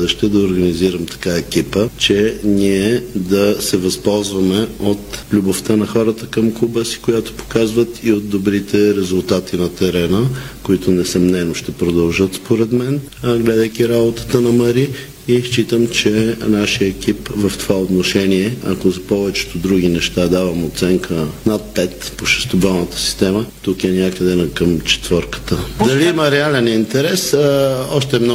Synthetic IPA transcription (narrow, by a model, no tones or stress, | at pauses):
d̪ɛʃt̪ɛd̪ɐoɾɡɐniziɾəmt̪ɐ̥kaɛkipət͡ʃɛniɛd̪ɐsɛvɐspɔlˠzvɐmɛot̪lʲuboft̪ənɐxɔɾət̪əkəmklˠubəsi̥kojat̪o̥po̥kazvət̪iot̪̚d̪obɾit̪ɛɾɛzʊlˠt̪at̪inɐt̪ɛɾɛnəkoit̪ʊnɛsɐmnɛnoʃt̪ɛpɾod̪ɐlˠʒət̪spoɾɛd̪mɛn | ɡlɛd̪əjkʲiɾabot̪ə̥t̪ənɐməɾi | iʃt͡ʃit̪əmt͡ʃɛnaʃijəɛkipvɐft̪ovaot̪noʃɛniɛɐ̰kozɐpɔvɛt͡ʃɛ̥t̪od̪ɾuɡ̟ʲinɛʃt̪ad̪avɐmot̪sɛŋkənat̪̚pɛt̪poʃɛ̥st̪obɛlˠnət̪ə̥si̥st̪ɛmət̪ukɛnʲakəd̪ɛnɐkəmt͡ʃɛ̥t̪vəɾkə̥t̪əd̪ɐliiməɾɛalɛnint̪ɛɾɛsɔʃt̪ɛmn